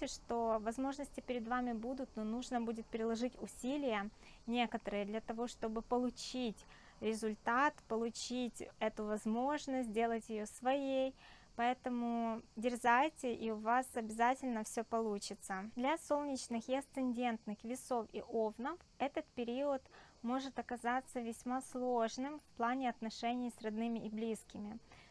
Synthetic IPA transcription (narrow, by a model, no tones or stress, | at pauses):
ɪʂt̪o̞vɐzmo̞ʐnəsʲtʲɪpʲɪɾʲɪd̪vamʲɪbud̪ʊt̪nonuʐnəbudʲɪt̪̚pʲɾʲɪlˠɐʐɨtʲʊsʲilʲɪjə | nʲe̞kət̪əɾɨjəd̪lʲɐt̪ɐvo̞ʂt̪o̞bɨpəlˠʊt͡ɕitʲ | ɾʲɪzʊlʲt̪at̪pəlˠʊt͡ɕitʲɛt̪ʊvɐzmo̞ʐnəsʲt̬̚ʲdʲe̞lˠətʲjɪjosvɐjej | pɐɛt̪əmʊdʲɪrzajtʲɪʔiʊvasɐbʲɪzatʲɪlʲnəfsʲɵpɐlˠut͡ɕɪt̪səd̪lʲɐso̞lˠnʲɪt͡ɕnɨxjɪɐst̪sɨnʲdʲe̞nt̪nɨxvʲɪso̞fḭʔo̞vnəfɛt̪ət̪pʲɪɾʲiət̪ | mo̞ʐɨt̪ɐkɐzat̪sːəvʲɪsʲmaslˠoʐnɨmfplˠanʲɪɐt̪nɐʂɛnʲɪjsrɐd̪nɨmʲɪʔɪblʲiskʲɪmʲɪ